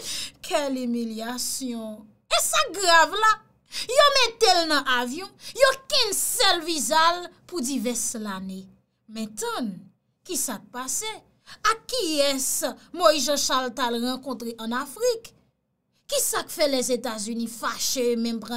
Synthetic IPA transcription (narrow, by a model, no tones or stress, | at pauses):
kʰɛlymiljasjɔ̃ | esaɡʁavla | jomɛt̪elnɐ̃ʔavjɔ̃jokɛ̃nsɛlvizalpud͡zivɛslane | mɛ̃t̪ɔ̃n | kisak̚pase | akːiɛsmoiʒãʃalt̪alʁɑ̃kɔ̃t̪ʁeʔɐ̃nafʁik | kisakfɛlɛzet̪azynĩfaʃemɛ̃mpʁã